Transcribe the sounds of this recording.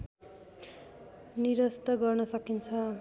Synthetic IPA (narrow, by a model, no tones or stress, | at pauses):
niɾʌst̪ʌɡʌrnʌsʌkint͡sʰʌ